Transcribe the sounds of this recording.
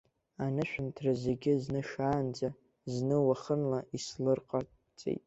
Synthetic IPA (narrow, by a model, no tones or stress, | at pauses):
anɨʃᶣʊntʰrazeɡʲɪznɨʃaːnd͡za | znɨwaχənlaʔislɨrqʼar | t͡sʼḛjtʼ